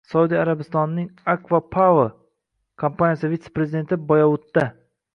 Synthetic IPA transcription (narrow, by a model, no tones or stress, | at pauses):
saud̪ijaɾabɪst̪ɒnnːɪŋakvapʰavo | kʰampanʲijasɪvit̪sepɾeɪd̪e̞nt̪ʰɪbɒjawʊt̪ːa